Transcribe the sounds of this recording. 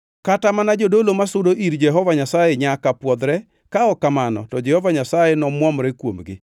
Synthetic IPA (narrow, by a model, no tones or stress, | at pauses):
katamanad͡ʒodolomasʊdoʔiɾd͡ʒɛɦɔvaɲasajeɲakapwɔd̪ɾɛ | kaɔkamanɔ̰tɔd͡ʒɛhɔvaɲasajenɔmwɔmɾɛkwo̰mɡɪ̰